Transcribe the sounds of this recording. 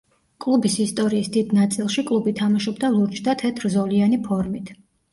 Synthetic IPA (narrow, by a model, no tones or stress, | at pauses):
kʼlˠubisist̪ʼɔɾiːsd̪id̪nat̪sʼilˠʃikʼlˠubit̪ʰamaʃɔbd̪alˠuɾt͡ʃʰʼd̪at̪ʰɛt̪ʰɾzɔlianipʰɔɾmit̪ʰ